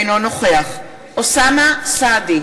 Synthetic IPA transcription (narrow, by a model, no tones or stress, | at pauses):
nɔnɔχweaχ | ɔsamasad̪i